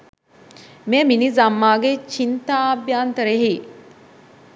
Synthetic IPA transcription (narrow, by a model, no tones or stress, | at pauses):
meminizamːaːɡet͡ʃint̪aːbjaːnt̪əɾeɦi